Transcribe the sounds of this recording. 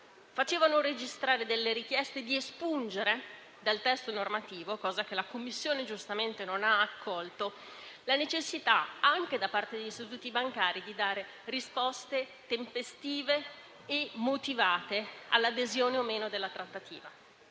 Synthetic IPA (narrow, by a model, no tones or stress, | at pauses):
fat͡ʃeːvanored͡ʒist̪ɾaːɾed̪elːeɾik̟jɛst̪ed̪iespund͡ʒeɾe | d̪alt̪ɛst̪onormat̪iːvokɔːzak̟elakomːisːjoːned͡ʒust̪ament̪enonaːkʰːɔlt̪o | lanet͡ʃesːit̪aaŋk̟ed̪apart̪ed̪eʎːist̪it̪̬uːt̪ibaŋkaːɾid̪id̪aːɾe | rispɔst̪e | t̪empest̪iːveː | mːot̪ivaːt̪ea̰lːad̪ezjoːneomeːnod̪elːat̪ɾat̪ːat̪ḭːva